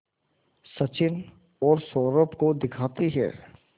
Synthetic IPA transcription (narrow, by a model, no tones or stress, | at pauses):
sɐt͡ʃɪn | ɔːɾsɔːɾəpkod̪ɪkʰaːt̪iɦɛ̰ː